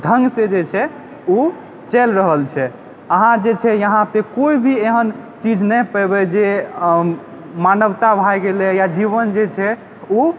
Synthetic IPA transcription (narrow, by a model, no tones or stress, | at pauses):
d̪ʱəŋɡsẽd͡ʒet͡ʃʰɛ | u | t͡ʃɛlɾəɦəlt͡ʃʰɛ | əɦãd͡ʒet͡ʃʰɛjəɦãpekoibʱieɦənt͡ʃid͡ʒnəjpɛbɛd͡ʒe | manəbt̪abʱajɡelejad͡ʒiβənd͡ʒet͡ʃʰɛ | u